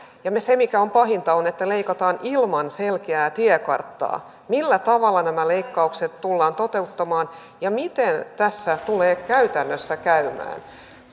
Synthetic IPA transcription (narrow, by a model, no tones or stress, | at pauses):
jɑmesemikæompɑɦint̪ɑonet̪ːæleikɑt̪ɑːnilmɑnselkeæːt̪iɛkɑ̰rt̪ːɑ̰ː | milːæt̪ɑʋɑlːɑnæmæleikːɑukset̪t̪ulːɑːnt̪ot̪e̞ut̪ːɑmɑːn | jɑmit̪ent̪æsːæt̪uleːkæyt̪ænːøsːækæymæ̰ːn